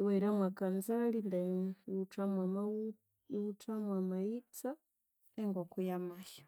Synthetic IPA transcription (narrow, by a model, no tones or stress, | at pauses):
wɛɾamwakanzalindautamwama | utamwamait͡sa | ɛŋɡwɔkujamajɔ